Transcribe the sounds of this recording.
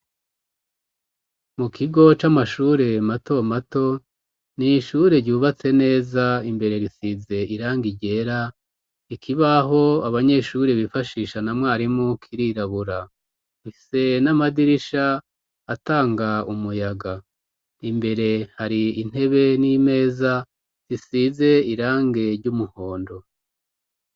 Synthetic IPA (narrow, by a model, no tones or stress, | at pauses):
mukʰiɡo̞t͡ʃamaʃuːɾe̞mato̞mato̞ | niʃuɾe̞ɾɟuːβat͡se̞ne̞ːzaimbe̞ɾe̞ɾisize̞ʔiɾaːŋɡiɟe̞ːɾa | ikʰiβaɦo̞aβaɲe̞ʃuɾeβifaʃiːʃanamwaːɾimokʰiɾiɾaβuɾa | iise̞namadiɾiʃaː | taːŋɡaumujaɡa | imbe̞ɾe̞haɾiːn̥e̞βe̞nime̞ːza | ɾisize̞iɾaːŋɡe̞ɾɟumuho̞ːndo̞